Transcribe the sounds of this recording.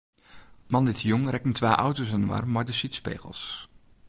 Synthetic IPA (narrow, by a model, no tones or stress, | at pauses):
mɑnɪtjʊŋrɛkəntʋaːʔawtosənma̰ːrmaːɹdəsitspḛjχə̰lˠs